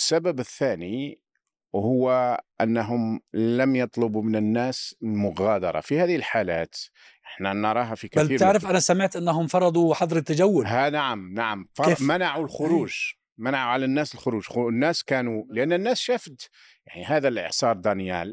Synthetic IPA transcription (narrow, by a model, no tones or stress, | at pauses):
əsːabæbəθːæni | hʊwːaʔanːɦʊmlæmjɑt̪ˤlʊbumənənːæːslmʊɣæd̪ɑ̰ɾˤɑ̰fihæːðihəlħalæ̰ːt̪ | ʔəħnænɑɾˤɑɦafikliːɾt̪ʕɾəfʔænæsaməʕt̪ʔənːɦʊmfɑɾˤɑd̪ˤuħɑd̪ˤɾət̪ːad͡ʒæwːʊlhænaʕamnaʕamfɑmanaʕulxʊɾuːʒ | manaʕuʕalænːæsəlxʊɾuːʒxnːæːskæːnuləʔanːənːæːsʃæfd̪ | jaʕniɦæːd̪ælʔə̰ʕsɑɾˤd̪ænjæ̰l